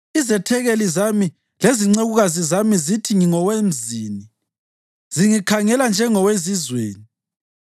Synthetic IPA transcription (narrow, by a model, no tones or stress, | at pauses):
izɛtʰɛɣelizami | leziŋ͡ǀeɣuɣazizamizitʰiŋiŋɔwem̩ziːni | z̥iŋikʰaŋɛland͡ʒʱɛŋɔwezizwḛːni